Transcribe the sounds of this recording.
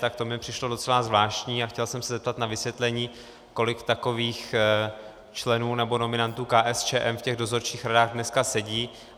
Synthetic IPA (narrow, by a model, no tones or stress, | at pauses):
t̪akt̪omɲɛpr̝̥ɪʃlo̞do̞t͡sɛlazvlaːʃcɲiːaxcɛlsɛmsɛzɛp̚t̪at̪navɪsvjɛt̪lɛɲiː | ko̞lɪkt̪ako̞viːx | t͡ʃlɛnuːnɛbo̞no̞mɪnant̪uːkaːʔɛst͡ʃɛːʔɛmfcɛɣdo̞zo̞ɾt͡ʃiːxɾadaːɣdnɛskasɛɟiː